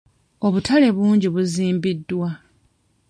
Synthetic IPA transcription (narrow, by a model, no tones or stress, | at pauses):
o̞βutʰale̞βuːɲɟiβuziːmbidːwa